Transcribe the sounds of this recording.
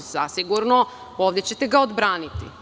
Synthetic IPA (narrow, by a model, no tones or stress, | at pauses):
z̥asiɡuɾno | oːʋd̪et͡ɕe̞t̪eɡaod̪bɾaːnit̪ḭ